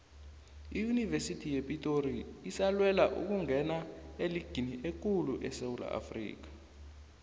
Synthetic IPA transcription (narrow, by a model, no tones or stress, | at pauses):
ijunivesitʰijepʼitʼoriisalwɛlaʔṵk̬uŋʱɛnaeliɡ̥ʱiniʔek̬uluʔɛsewula̰ʔa̰frḭːk̬ḁ